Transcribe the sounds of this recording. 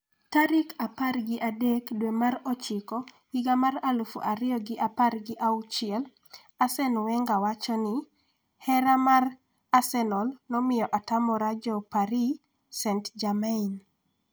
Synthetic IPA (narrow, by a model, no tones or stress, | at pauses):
taɾɪkaparɡɪʔadɛkdwemaɾɔt͡ʃɪkɔ | iɡamaralufṵʔaɾɪjɔɡɪʔaparɡɪʔaut͡ʃɪɛl | asɛnwɛŋɡawat͡ʃɔnɪ | hɛɾamar | asɛnɔlnɔmɪjɔʔatamɔɾad͡ʒɔpaɾi | sɛntd͡ʒamain